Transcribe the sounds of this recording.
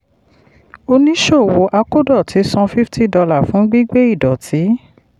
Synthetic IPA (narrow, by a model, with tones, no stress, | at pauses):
o˧nĩ˦ʃo˦˨wo˧ʔa˧ko˦dɔ˦˨tʰi˨˦sɔ̃˧fi˦fti˦˨dɔ˧la˦˨fũ˨˦ɡ͡bi˦ɡ͡be˦i˦˨dɔ˨tʰi˨˦